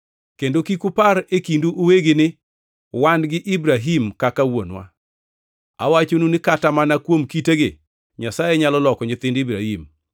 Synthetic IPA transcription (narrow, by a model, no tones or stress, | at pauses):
kendokikupaɾekinduʔːweɡɪnɪ | wandɡɪʔibɾaɦimkakawonwa̰ | a̰wat͡ʃonunɪkatamanakwomkiteɡɪ | ɲasajɛɲalɔlɔkɔɲɪt̪ɪndibɾahim